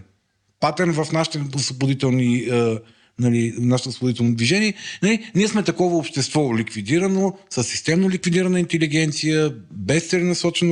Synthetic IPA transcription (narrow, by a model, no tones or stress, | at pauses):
pat̪ɛɾnvɐfnaʃi̥t̪ɛʊsvoboʊd̪it̪ɛlˠniə | nɐlinaʃt̪osvobod̪it̪ɛlˠnod̪viʒɛniɛnɐliniɛsmɛt̪ɐkɔvəopʃt̪ɛst̪vɔlikvid̪iɾənosəsːi̥st̪ɛmnolikvid̪iɾɐnəint̪ɛliɡɛnt̪sijəbɛsːɾɛnɐsɔt͡ʃɛno